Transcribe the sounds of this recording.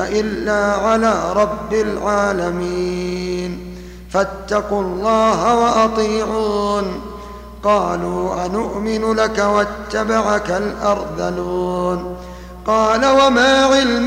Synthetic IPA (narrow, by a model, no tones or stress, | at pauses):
ʔɪlːaːʕalaːɾˤɑbːalʕaːlamiːn | fat̪ːɑqʊlˤːɑːɦawaʔɑt̪ˤiːʕuːn | qɑːluːʔanʊʔmɪnʊlakawat̪ːabaʕakalʔɑɾˤd̪ˤɑluːn | qɑːlawamaːʕɪlm